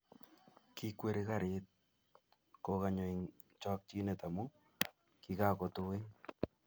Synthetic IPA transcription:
ki˦kwe˦ɾika˦ɾet̚ | kokaɲo˨iŋ | t͡ʃɔ˦k̚t͡ʃi˦neta˨mu | kika˦ko˨towe˦ŋ

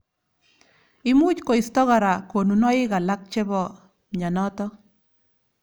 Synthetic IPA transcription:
ɪ˦mu˦t͡ʃko˨i˨st̪ɔ˦ɣa˨ɾa˨ko˨nu˨nɔ˦ɪ˦ɡa˨la˦k̚t͡ʃɛ˦bɔ˦˨ | ɲa˨nɔ˦t̪ɔ˦

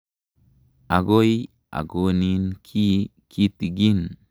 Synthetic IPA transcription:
a˨ɡo˦j | ʔa̰˨ɡo˨ni˦nkʰi˦ | kʰi˦t̪i˨ɡi˦n

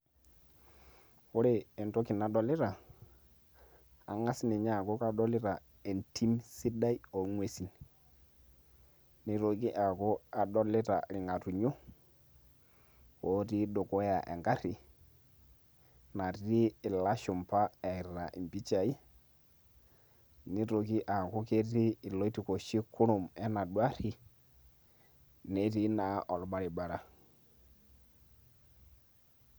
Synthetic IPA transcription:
ʊ˦ɾe˨ɛ˨nto˦ki˨na˨dɔ˨lɪ˦ɾa˨ | a̰˨ŋa˦sni˨ɲa˦˨ko˦ka˦dɔ˦lɪ˦ɾa˨ | e˨ntʰi˦msi˦da˦i˦o˨˦ŋwe˨si˨n | ni˨ɾo˨ɡi˦ʔa˨ko˦a˨dɔ˦lɪ˦ta̰˨ɾɪ˨ŋa˨tu˨ɲu˦ | o˨˦ti˦do˨kɔ˦ja˨ʔɛ̰˨ŋɡa˦ɾi˨ | na˨tiː˦˨la˦ʃu˨mpa˦ɛ˨ɾa̰˨ʔi˨mbi˦t͡ʃa˨i˦ | ni˦ɾo˨ki˦ʔa˨ku˦ke˦tiː˦˨lo˦i˦ti˨ko˨ʃi˦ku˦ɾu˨mɛ˦na˨ɗwa˦ɾi˦ | ne˦ti˦na˨ʔɔ˨lɓa˦ɾi˨ɓa˨ɾa˦

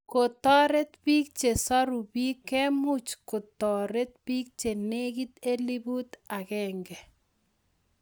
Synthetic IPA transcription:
ko˨tɔ˦ɾe˦t̪pi˦k̚t͡ʃe˨sɔ˦ɾu˨bi˦kɛ˦mu˦t͡ʃkʊ˨tɔ˨ɾe˦t̚pi˦k̚t͡ʃe˨ne˦ki˦t̪e˦li˦bu˦t̪a˨kɛ˨ŋɡɛ˨

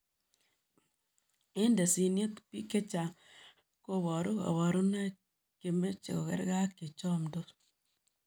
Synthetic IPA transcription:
e˦n˦de˨si˨nje˦pi˦ke˦t͡ʃa˨ | ko˦˨wɔ˨ɾo˦a̰˨wɔ˨ɾu˦na˦ | ke˨me˦t͡ʃḛ˨ko˨kḛ˦ɾɡa˦ke˨t͡ʃɔ˦˨m˨do˦

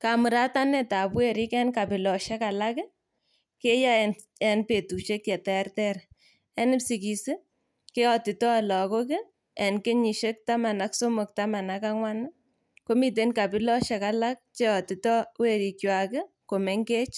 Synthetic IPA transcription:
ka˨mɨ˨ɾa˦ta˦nɛ˦ta˨pwe˦ɾi˦kɛ˦nka˨pi˨lɔ˨ʃɛ˦ka˨la˦kɪ˦ | ke˦ja˦ɛ | ɛ˨˦npe˨tu˨ʃe˦kjɛ˨tɛrtɛ˦ɾ | ɛ˦nɪ˦psi˨ki˨sɪ˦ | ke˦ɔ˨ti˨tɔ˦a˨lɔ˨ko˦kɪ˦ | ɛ˨nke˦ɲi˨ʃe˦k̚ta˦ma˨na˦kso˦mo˨k̚ta˦ma˨na˦ka˦ŋwa˦na˦ | ko˦mi˨t̬e˨˦nka˨pɪ˦lɔ˦ʃɛ˨ka˦la˦k̚t͡ʃe˦ɔ˨ti˨tɔ˦we˦˨ɾi˨kjwa˨kɪ˦ | ko˨me˦ŋke˦t͡ʃ

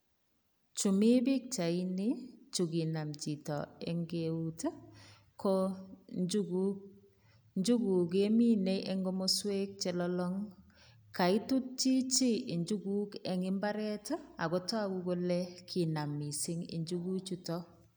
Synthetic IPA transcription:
t͡ʃu˨mi˦bi˦k̚t͡ʃa˨i˦ni˦t͡ʃu˨ɡi˨na˨mt͡ʃi˨tɔ̰˨ɛ̰˨ŋɡeu˦t | ko | d͡ʒuɡu˦ | ɲd͡ʒu˦ɡu˨k̬e˦mi˦ne˦jʔɛ˦ŋɡo˦mo˦swe˦k̚t͡ʃɛ˨lɔlɔ˦ŋ | ka˨i˦tu˦t̚t͡ʃi˦t͡ʃi˦i˨ɲd͡ʒu˦ɡuː˦kɛ˨ŋɪ˦mba˦ɾɛ˦ta˨ɡo˦tɔ˦a˦kuɡo˦lɛ˦kʰi˨na˨mi˨sɪ˦ŋḭ˨ɲd͡ʒuɡu˦t͡ʃutɔ

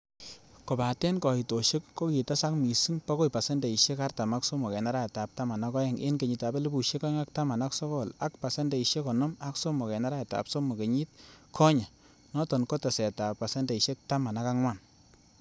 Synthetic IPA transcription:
ko˨pa˨tɛ˦nkɔ˨i˨to˨ʃe˦kːo˦ki˨ta˦sa˦kmi˨si˦ŋpa˦ko˦jpa˨se˦nde˨i˨ʃe˦ka˦rta˨ma˦kso˦mɔ˨kɛ˨na˦ɾa˦a˨ta˨p̚ta˦ma˨na˦kɔ˦jɛ˦ŋʔḛ˦nke˨ɲi˨ta˨be˦le˦bu˨ʃe˦kɔ˦ɛ˦ŋa˦k̚ta˦ma˨na˦kso˦kɔ˦˨la˦k̚pa˨se˦nde˨i˨ʃe˦kɔ˨nɔ˦ma˦kso˦mɔ˨kɛ˨na˦ɾa˦je˨ta̰˨pso˦mo˨ke˨ɲi˦t̚kʰɔ˦ɲa˨ | nɔ˦tɔ˨nkɔ˦ta˨sɛ˨ta˨pːa˨sɛ˦nde˨i˨ʃe˦k̚ta˦ma˨na˦ka˦ŋwa˦˨n

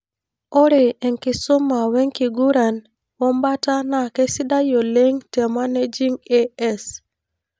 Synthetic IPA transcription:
o˦ɾe˨ɛ˨ŋkɪ˨sʊ˦ma˨wɛ˦ŋki˨ɡu˦ɾa˨n | wɔ˦mba˦ta˦na˨ke˦si˦da˦jo˨le˦ŋtɛ˨ma˦ne˦d͡ʒi˦ŋe˦ɛ˦s

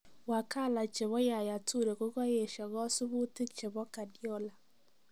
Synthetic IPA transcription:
wa˨ka˦˨la˨t͡ʃe˨βɔ˦ja˨ja˨tu˦˨ɾe˨ko˦ɣɔ˦je˨ʃɔ˨ɣɔ˦sʊ˦bu˦tɪ˦kt͡ʃe˨βɔ˦ka˨djɔ˦la˨

